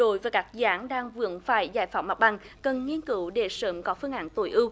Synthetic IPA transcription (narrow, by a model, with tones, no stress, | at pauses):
ɗo˧˦jvaː˨˩kaː˦˥k̚zaː˨˦ŋɗaː˧ŋvɨ̰˨˦ənfaː˧˩jzaː˧˩jfaː˨˩wma˨˩ɓa˨˩ŋ | kə˨˩nŋi˧ənkɨ˨˦wɗe˧˩sə̰ː˨˦mkɔ˨˦fɨ˧əŋʔa̰ː˨˦ŋt̪o˧˩jʔɨ˧w